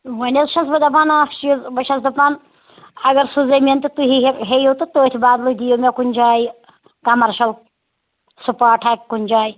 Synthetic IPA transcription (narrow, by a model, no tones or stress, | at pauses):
ʋɐnʲezʃɐsbɐd̪ɐp̬aːnaːʃizbɐʃɐsd̪ɐpaːn | ɐɡɐɾsuzɐjmʲɐnt̪ɨt̪uɦiɦejowt̪ɨt̪əːt̪ʲʰbaːd̪lud̪ʲijomʲɐkunʲd͡ʒaːji | kɐmɐɾʃɐl | supaːʈʰaːkʲkunʲd͡ʒaːj